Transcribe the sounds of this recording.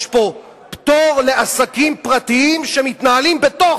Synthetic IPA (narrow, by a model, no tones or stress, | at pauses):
ʃpo̞ | pt̪oʁle̞ʔasakimpʁat̪iimʃe̞mit̪naalimbet̪o